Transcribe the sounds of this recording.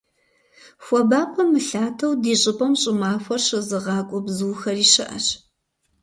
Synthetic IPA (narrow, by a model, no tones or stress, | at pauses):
xʷɔbaːpʷʰʼɐmːɨɬaːtʰɐwdiːɕʼɪpʼɐmɕʼɪmaːxʷɔrɕɨzɨʁɑːkʷʼʊbzuːxɐriːɕɨʔɐ̰ɕ